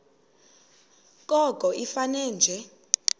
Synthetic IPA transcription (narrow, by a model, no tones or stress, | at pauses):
k̬ʼɔkʼɔʔifanɛːnd͡ʒʱɛ